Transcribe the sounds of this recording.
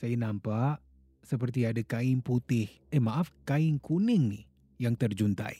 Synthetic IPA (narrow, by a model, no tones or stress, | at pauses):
sajanampaʔ | səp̬ərt̪iadakaɪŋput̪ɪh | ɛmaʔafkaɪŋkʰunɪŋnɪh | jaŋt̪ərd͡ʒunt̪a̰j